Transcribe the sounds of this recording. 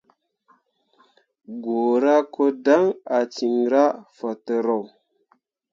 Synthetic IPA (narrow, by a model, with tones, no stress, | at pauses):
ɡo˨ɾa˦ko˦da˦ŋa˨t͡ʃi˨ŋɾa˦fa˨tə˨ɾo˨w